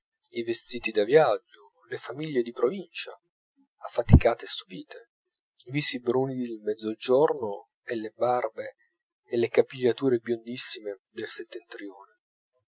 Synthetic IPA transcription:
ivest̪iːt̪id̪avjad͡ʒːo | lefamiʎːed̪ipɾovint͡ʃa̰ | afːat̪ikaːt̪est̪u̥piːt̪e | iviːsibɾunid̪elmɛd̪zːod͡ʒorno | elːebarbeː | lekapːiʎːat̪uːɾebjond̪isːimed̪elset̪ːent̪ɾjoːne

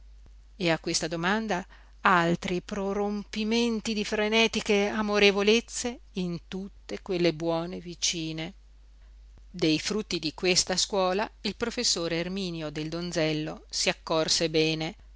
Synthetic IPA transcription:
eakːwest̪ad̪omand̪a | alt̪ɾipɾoɾompiment̪id̪ifɾenɛːt̪ikeamoɾevolet̪sːe | int̪ut̪ːekwelːebwɔːnevit͡ʃiːne | d̪ejfɾut̪ːid̪ikwest̪askwɔːlailpɾofesːoːɾeːrmiːnjod̪eld̪ond̪zɛlːosiakːorsebɛːne

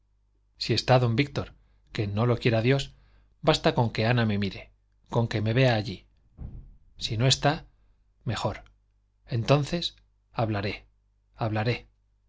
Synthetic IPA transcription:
sie̞st̪aðo̞mbik̚t̪o̞ɾ | ke̞no̞lo̞kjeɾaðjo̞s | bast̪ako̞ŋke̞aname̞miɾe̞ | ko̞ŋke̞me̞βe̞aːʎi | sino̞e̞st̪a | me̞xo̞ɾ | e̞nt̪on̟θe̞s | aβlaɾe̞ | aβ̞laɾe̞

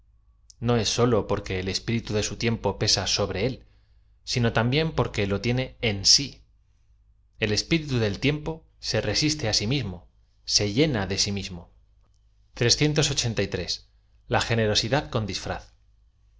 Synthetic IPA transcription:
no̞e̞sːo̞lo̞po̞ɾke̞ːle̞spiɾit̪uðe̞sut̪je̞mpo̞pe̞saso̞βɾe̞e̞l | sino̞t̪ambje̞mpo̞ɾke̞lo̞t̪je̞ne̞ensi | e̞le̞spiɾit̪uðe̞lt̪je̞mpo̞ | se̞re̞sist̪e̞asimizmo̞ | se̞ʝe̞naðe̞simizmo̞ | t̪ɾe̞sθje̞nt̪o̞so̞t͡ʃe̞nt̪ajt̪ɾe̞s | laxe̞ne̞ɾo̞siðaðko̞nd̪isfɾa̰θ

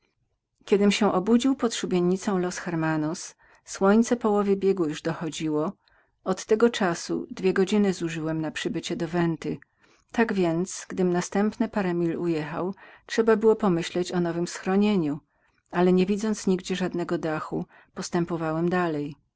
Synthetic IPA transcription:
kʲɛd̪ɘmɕɛʔɔbud͡ʑiwpɔt̪ʂubʲjeɲːit̪sɔ̃w̃lɔsxɛɾmanɔs | swɔɲt̪sɛpɔwɔvʲjɛbʲjɛɡujuʐd̪ɔxɔd͡ʑiwɔ | ɔt̪ːɛɡɔt͡ʂasṵd̪vʲjɛɡɔd͡ʑinɘzuʐɘwɛmnapʂɘbɘt͡ɕɛd̪ɔvɛnt̪ɘ | t̪aɡvʲjɛnt̪sɡd̪ɘmnast̪ɛmpnɘpaɾɛmʲilujɛxa̰wtʂɛbabɘwɔpɔmɘɕlɛt͡ɕɔnɔvɘmsxɾɔɲeɲu | alɛɲɛvʲid̪zɔnt̪sɲiɡd͡ʑɛʐad̪nɛɡɔd̪axu | pɔst̪ɛmpɔvawɛmd̪alɛj

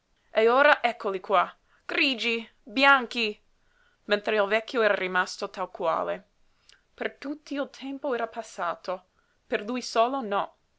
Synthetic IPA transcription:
eoːɾaʔɛkːolikwa | ɡ̥ɾiːd͡ʒi | bjaŋki | mẽnt̪ɾeilvɛkʰːjoɛːɾarimast̪ot̪alkwa̰ːle | pert̪ut̪ʰːiilt̪ʰɛmpoɛːɾapasːaːt̪o | perlujsoːlonɔ

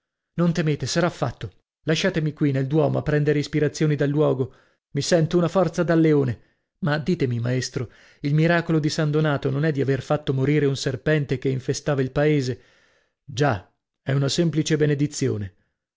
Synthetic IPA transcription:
nont̪emeːt̪esaɾafːat̪ːo | laʃːaːt̪emikwineld̪wɔːmoapːɾɛnd̪eɾeispiɾat̪sːjoːnid̪alːwɔːɡo | misɛnt̪ounafɔrt̪sad̪alːeoːne | mad̪iːt̪emimaest̪ɾo | ilmiɾaːkolod̪isand̪onaːt̪ononɛd̪ːiaverfat̪ːomoɾiːɾeunserpɛnt̪ekeiɱfest̪aːvailpaeːze | d͡ʒa | ɛunasɛmplit͡ʃebened̪it̪sːjo̰ːne

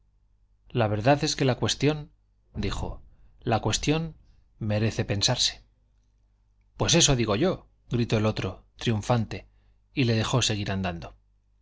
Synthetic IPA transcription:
laβe̞ɾðaðe̞ske̞lakwe̞st̪jo̞n | d̪ixo̞̰ | lakwe̞st̪jo̞n | me̞ɾe̞θe̞pe̞nsaɾse̥ | pwe̞se̞so̞ðiɣ̞o̞ʝo̞ | ɣɾit̪o̞elo̞t̪ɾo̞t̪ɾiuɱfant̪e̞ | ile̞ðe̞xo̞se̞ɣ̞iɾand̪and̪o̞

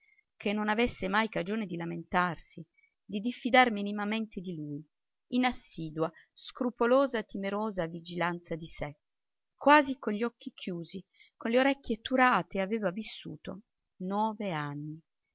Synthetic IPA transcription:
kʰenːonavesːemajkad͡ʒoːned̪ilament̪arsi | d̪id̪ifːid̪arminimament̪ed̪iluj | inasːiːd̪uaskɾupoloːzat̪imeɾoːzavid͡ʒilant̪sad̪ise | kwaːzikonʎiɔkːikʰjuːzikonleoɾɛkʲːjet̪uɾaːt̪eaveːvavisːṵːt̪o | nɔːveanːi

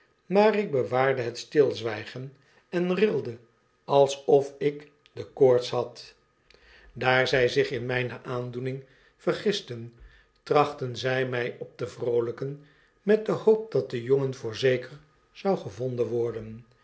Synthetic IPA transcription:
maːrɪɡ̚bəʋaːɹdəɦətstɪlˠzʋɛjχən | ɛnrɪlˠdə | ɑlˠsɔfɪk | dəkoːɹtsɦɑt | daːɹzɛjzɪχɪnmɛjnəʔaːndunɪŋ | v̥ərχɪstən | trɑχtənzɛjmɛjɔp̚dəvrowləkən | mɛt̚dəhowp̚d̥ɑt̚dəjoŋənvʊːɹzejkəɹ | z̥ɑwχəvɔndənʋɔɹdən

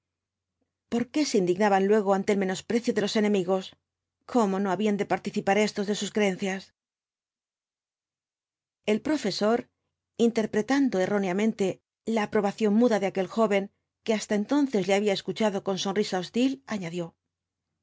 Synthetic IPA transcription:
po̞ɾke̞se̞ind̪iɣnaβanlwe̞ɣ̞oant̪elmẽ̞no̞spɾe̞θjoðe̞lo̞se̞nẽ̞miɣo̞s | kʰo̞mo̞no̞aβiand̪e̞paɾt̪iθipaɾe̞st̪ozðe̞suskɾee̞nθjas | e̞lpɾo̞fe̞so̞ɾ | int̪e̞ɾpɾe̞t̪and̪o̞e̞ro̞neamẽnt̪e̞ | laːpɾo̞βaθjo̞nmuðaðeake̞lxo̞βe̞ŋ | ke̞ast̪aent̪o̞nθe̞zleaβiae̞skut͡ʃaðo̞ko̞nso̞nrisao̞st̪ilaɲaðjo̞

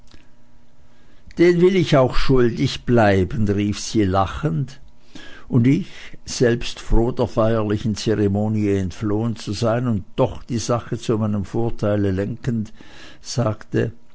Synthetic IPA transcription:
d̥eːnvɪlɪçaʊxʃʊldɪçb̥laɪbən̩ʁiːfz̥iːlaχənt | ʊndɪçz̥ɛlpstfʁ̥oːdeːɐfaɪɐlɪçn̩t͡sɛʁemoːniəɛntfloːənt͡suzaɪənʊnt̚d̥ɔχd̥iːzaχət͡sumaɪnəmfoːɐtʰaɪləlɛŋkən̩t | z̥aːktə

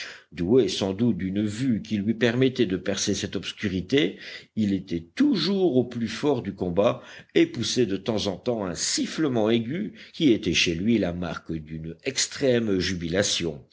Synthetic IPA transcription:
d̪uesɑ̃d̪ut̪̚d̪ynvykʲilɥipɛʁmɛt̪ɛd̪əpɛʁsesɛt̪ɔpskʲyʁit̪eilet̪ɛt̪uʒuʁoplyfɔʁd̪ykɔ̃baepusɛd̪ət̪ɑ̃zɑ̃t̪ɑ̃ɛ̃sifləmɑ̃eɡʲykʲiet̪ɛʃelɥilama̰ʁkd̪ynɛkst̪χɛmʒybilasjɔ̰̃

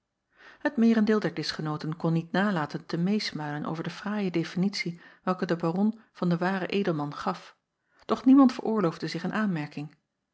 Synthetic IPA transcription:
ɦətmɪːrəndɪːlˠdɛɹdɪsχənowtənkɔnːitnaːlaːtəntəmejsmalənʔo̰wvəɹdəvraːjədefinitsiʋɛlˠkədəbaːrɔnv̥ɑndəʋaːrə̰ʔejdəlˠmɑnχɑf | d̥ɔχnimɑntfə̰ɹʔʊːɹlowvdəzɪχənʔaːnmɛɹkɪŋ

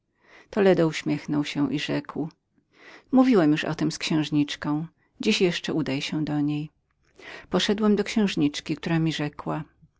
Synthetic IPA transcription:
t̪ɔlɛd̪ɔuɕmʲjɛxnɔwɕɛ̃ʔiʐɛkw | muvʲiwɛmjuʂɔ̰t̪ɛmskɕɛ̃w̃ʐɲit͡ʂkɔ̃w̃ | d͡ʑiɕjɛʂt͡ʂɛud̪ajɕɛ̃d̪ɔɲej | pɔʂɛd̪wɛmd̪ɔkɕɛ̃w̃ʐɲit͡ʂkʲik̚t̪uɾamʲiʐɛkwa

